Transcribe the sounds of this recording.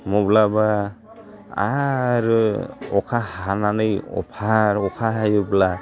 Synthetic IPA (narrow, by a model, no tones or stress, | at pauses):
mɔblaba | a̰ɾɯɔkʰahananɯjɔ̰pʰaɾɔkʰaɦajubla